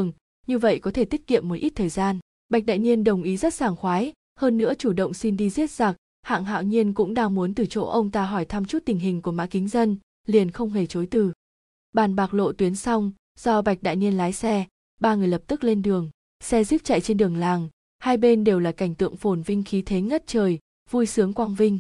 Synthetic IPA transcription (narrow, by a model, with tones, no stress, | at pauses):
ŋ | ɲɨ˧və̰˧˨jkɔ˨˦t̪ʰe˧˩t̪i˦˥k̚kḭ˧˨əmːo˨˦jʔi˦˥t̚t̪ʰəː˨˩jzaː˧n | ɓa˨˩k̚ɗa̰ː˧˨jɲi˧ənɗə˨˩wŋ͡mʔi˨˦zə˦˥t̚zaː˨˩ŋxwaː˨˦j | həː˧nːɨ̰˧˥ət͡ɕu˧˩ɗə̰˧˨wŋ͡msi˧nɗi˧zi˦˥ət̚z̥aː˨˩k̚ | ha̰ː˧˨ŋɦa̰ː˧˨wɲi˧ənkʊ̰˧˥ŋ͡mɗaː˧ŋmu˨˦ənt̪ɨ˨˩t͡ɕo̰˧˥ʔə˧wŋ͡mt̪aː˧ɦɔ˧˩jt̪ʰa˧mt͡ɕu˦˥t̚t̪ï˨˩ŋ̟ɦï˨˩ŋ̟ku˧˩əma̰ː˧˥kï˨˦ŋ̟zə˧n | li˨˩ənxə˧wŋ͡mɦe˧˩t͡ɕo˨˦jt̪ɨ˨˩ | ɓaː˧˩nɓaː˨˩k̚lo̰˧˨t̪wi˨˦ənsa˧wŋ͡m | z̥ɔ˧ɓa˨˩jk̚ɗa̰ː˧˨jŋi˧ənlaː˨˦jsɛ˧ | ɓaː˧ŋɨ˨˩əjlə˨˩p̚t̪ɨ˦˥k̚le˧nɗɨ˨˩əŋ | sɛ˧zi˦˥p̚t͡ɕa̰˧˨jt͡ɕe˧nɗɨ˨˩əŋlaː˨˩ŋ | haː˧jɓe˧nɗe˨˩wlaː˨˩ka˧˩ŋ̟t̪ɨ̰˧˨əŋfo˧˩nvï˧ŋ̟xi˨˦t̪ʰe˨˦ŋə˦˥t̚t͡ɕəː˨˩j | vu˧jsɨ˨˦əŋkwaː˧ŋvï˧ŋ̟